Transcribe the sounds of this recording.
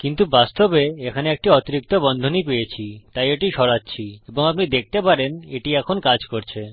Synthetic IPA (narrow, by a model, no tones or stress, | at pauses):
kint̪ubast̪obeekʰaneek̚ʈiɔt̪iɾik̚t̪obɔnd̪ʱonipejet͡ɕʰit̪ajeʈiʃɔɾatːɕʰieboŋapnid̪ek̚ʰt̪epaɾeneʈiɛkʰonkad͡ʑkoɾt͡ɕʰe